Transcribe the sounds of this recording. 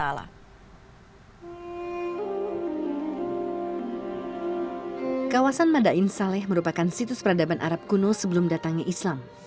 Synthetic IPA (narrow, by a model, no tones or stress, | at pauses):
ala̰ | kawasanmadaʔɪnsalɛhməɾupakansit̪ʊspəɾadabanʔa̰ɾap̚kunosəbəlʊmdat̪aŋɲaʔislam